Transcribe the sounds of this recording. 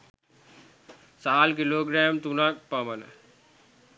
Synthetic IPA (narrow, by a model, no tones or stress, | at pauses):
saːlkiloːɡɾaːmt̪unak̚pamən